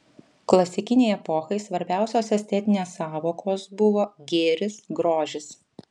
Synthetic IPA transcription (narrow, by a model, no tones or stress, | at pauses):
klˠɐsʲɪkʲɪnʲɛɪɛpɔxɐɪsʋɐɾʲbʲæˑʊsʲoːsɛsʲt̪ʲɛt̪ʲɪnʲeːsːɑːʋoːkʰoːsbʊʋoːɡʲeːɾʲɪsɡɾoːʒʲɪs